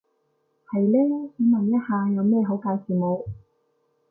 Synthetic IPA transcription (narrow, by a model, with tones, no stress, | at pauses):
hɐ˨jlɛː˥si˨˥mɐ˨˩jɐ˥t̚haː˨˧jɐ˨˧wmɛː˥˩ɦo˨˥wkaː˨˧wsiː˨˩mo˨˧w